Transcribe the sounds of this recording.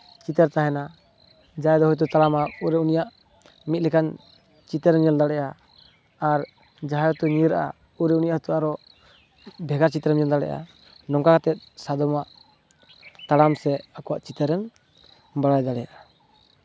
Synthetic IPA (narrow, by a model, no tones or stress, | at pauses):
t͡ʃit̪ɛɾt̪aɦɛna | d͡ʒajd̪ɔhɔjt̪̬ɔt̪alamauɾɛunijaʔ | mit̪̚lɛkan | t͡ʃit̪ɛɾɛmd͡ʒɔnd̪aɽɛʔaː | ɾ | d͡ʒaɦajɔt̪uɲiɾaʔa̰ | uɾɛunijaʔht̪uaɾɔ | bʱɛɡaɾt͡ʃit̪ɾɛmd͡ʒɔnd̪aɽɛ̰ʔa̰ | nɔŋkakat̪ɛt̪̚sad̪ɔmaʔ | t̪alamsɛakɔwaʔt͡ʃit̪ɛɾɛm | baɽajd̪aɽɛja̰ʔa